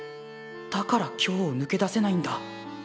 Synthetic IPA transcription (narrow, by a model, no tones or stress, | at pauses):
d̪̥akaɾakʲʰo̞ːnɯ̟ke̞d̪ase̞naĩnd̪a